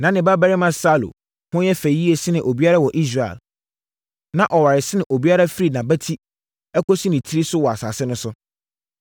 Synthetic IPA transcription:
nã˨˦nɪ̃˨ba˦bæ˦ɾɪ˦mã˦sa˦lo̰˨ | hʊ̃˦jɛ˦fæ˨˦i˦e˨sɪ˦nɪ̃˨ʔo˨bi˦a˦ɾa˦wɔ˨ʔi˦s̬ɾa˦˨ɛ̰˨l | nã˨ʔɔ˨wa˨ɾɪ˨sɪ˦nɪ̃˨ʔo˨bi˦a˦ɾa˦fi˦ɾi˨nã˨bæ˦tʰi˦ | ɛ˦kʰɔ˦si˦nɪ̃˨tʰi˦ɾi˦sʊ˦wɔ˨a˨sa̰ː˨sɪ˦nʊ̃˦sʊ˦

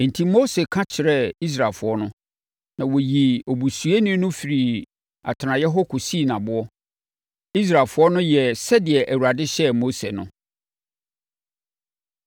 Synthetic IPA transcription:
n̩˨tʰĩ˦mo˦se˨kʰã˦t͡ɕʰɪ˨ɾɛ˦i˦s̬ɾa˨lfʊ˦ɔ˦nʊ̃˦ | nã˨wo˨ji˨o˨bu˨su˨e˦nĩ˦nʊ̃˦fi˨ɾi˨ | a̰˨tʰɪ˨nã˨jɛ˦ɦɔ˦kʰʊ˨si˦˨nã˨bʊ˦ɔ˦ | i˦s̬ɾa˨lfʊ˦ɔ˦nʊ̃˦jɛ˨sɛ˦dɪ˨ɛ˨ʔæ˨wu˨ɾa˨dɪ˦ɕɛ˦mo˦se˨nʊ̰̃˦

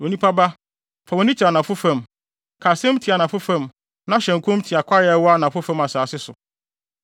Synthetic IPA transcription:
o˨nĩ˦pʰa˦ba˦ | fa˨wɔ˨nĩ˦t͡ɕʰi˨a˨nã˨fʊ˦fã˦˨m | kʰaː˨sɪ̃˦m˦tʰi˨a˨nã˨fʊ˦fã˦˨m | nã˦ɕɛ̃˨ŋ˨kʰʊ̃˦m˦tʰi˨a˨kʷʰa˦jɛ˦wɔ˦a˦nã˨fʊ˦fã˦ma˨saː˨sɪ˦sʊ˨

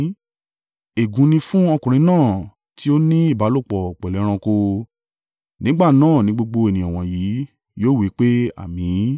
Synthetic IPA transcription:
e˨ɡũ˨˧˦nĩ˧fũ˦ɔ˧kũ˨ɾ̃ĩ˧nãː˦˨ | tʰi˦o˦nĩ˦i˦˨ba˨˦lo˦˨k͡pɔ˨k͡pɛ˨lɛ˨˦ɾ̃ã˧ko˧ | nĩ˦ɡ͡ba˦˨nãː˦˨nĩ˧˦ɡ͡bo˧ɡ͡bo˧e˨nĩ˨ɔ̃˨w̃ɔ̃˨ji˨˦ | joː˦˨wi˨˦k͡pe˦a̰˦˨mĩ˨˦

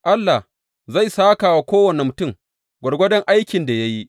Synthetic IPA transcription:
ʔa˦lːa˨h | za˦˨jsaː˦kaː˨wa˦kʷoː˦wɐ˨ne˨mʊ˨tʊ˦˨ŋ | ɡʷɐ˨rɡʷɐ˦dɐ˦ŋʔa˦jkʲɪ˨nda˨ja˦ji˦ʔ

